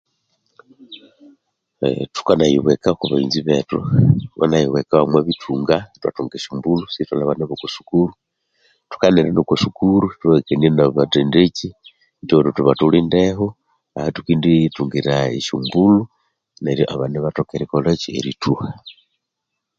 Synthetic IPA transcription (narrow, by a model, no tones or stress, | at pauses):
tu̥kanajḭβwekakuβaḭnziβḛtuka̰najiwekaβamwaβitʰuːŋɡatwa̰tuːŋɡeʃumbulusitalaβaneβokusu̥kuɾu | tu̥kaneɾanokusukuɾutuβekenienaβatendeci | ndoɾutuβatuliːndeɦo | ahatukiːndituŋɡiɾaeʃumbulu | neɾjo̰ʔaβaneβatokeɾikolot͡ʃiḛɾituha